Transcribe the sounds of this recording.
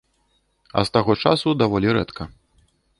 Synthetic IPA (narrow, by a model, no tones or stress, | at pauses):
ɐ̰st̪aɣɔt͡ʂasud̪avɔlʲiɾɛt̪kʰɐ